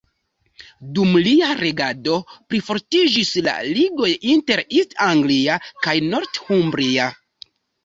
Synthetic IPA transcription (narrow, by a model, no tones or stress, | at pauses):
dumliaɾe̞ɡado̞pɾifo̞ɾtid͡ʒisla̰liɡo̞jinte̞ɾistaŋɡliakajno̞ɾthumbɾia